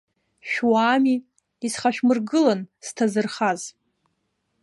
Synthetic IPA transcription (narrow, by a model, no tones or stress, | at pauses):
ʃᶣwaːmi | isχaʃᶣmɨrɡɨlanstʰazɨrχaz